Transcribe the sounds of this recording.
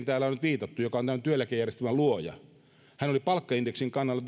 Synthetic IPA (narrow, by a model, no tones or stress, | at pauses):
nt̪æːlːæonyt̪ʋiːt̪ɑt̪ːujokɑont̪æmænt̪yølækejærjest̪æmæluojɑ̰ | hænolipɑlkːɑindeksiŋkɑnːɑlːɑt̪